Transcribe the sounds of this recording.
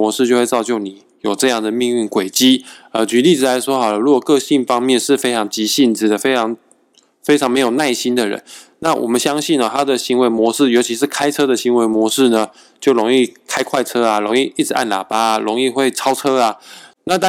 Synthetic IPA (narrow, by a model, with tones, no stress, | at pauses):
ɔ˧˦ʂɻ̩˥˧t͡ɕjo˥˧xwe˥˧ɪt͡sɑ˥˧ʊt͡ɕjo˥˩ʊni˨˩˦ | jo˨˩ʊʈ͡ʂɤ˥˧jɑ˥˩ŋd̪ə˩mi˥˧ŋi˥˩nkwe˨˩ɪt͡ɕi˥ə˧˩t͡ɕy˧˥li˥˩d͡zɹ̩˨˩la˨˧˦ɪʂwɔ˥xɑ˨˩lə˦ɻu˧˥kwɔ˨˩kɤ˥˧ɕi˥˩nfɑ˥ŋmjɛ˥˧nʂɻ̩˥˩fe˥ɪʈ͡ʂʰɑ˧˥ŋt͡ɕi˧˥ɕi˥˩nd͡zɹ̩˨˩d̪ə˩fe˥ɪʈ͡ʂʰɑ˧˥ŋ | fe˥ɪʈ͡ʂʰɑ˧ŋme˧˥ɪjo˨˩na˥˩ɪɕi˦˥nd̪ə˨ɻə̰˧˦nna˥˩wʔɔ̰˨˩mə˦nɕjɑ˥ŋɕi˥˩nə˩t̪ʰa˥d̪ə˨ɕi˧˥ŋwe˧˥ɪmwɔ˧˥ʂɻ̩˥˩jo˧ʊt͡ɕʰi˧˥ʂɻ̩˥˩kʰa˥ɪʈ͡ʂʰɤ˥d̪ə˨ɕi˧˥nwe˧˥ɪmwɔ˧˥ʂɻ̩˥˩nə˩ | t͡ɕjo˥˩ʊɻo˧˥ŋi˥˩kʰa˥ɪkʰwa˥˩ɪt͡sʰɤ˥a˨ɻo˧˥ŋi˥˧ʔi˥˩ʈ͡ʂɻ̩˨˩ʔa˥˩nla̰˨˩pa˥˨ɻo˧˥ŋi˥˧xwe˥˩ɪt͡sʰɑ˥ʊʈ͡ʂʰɤ˥a˨na˥˨t̪ɑ˥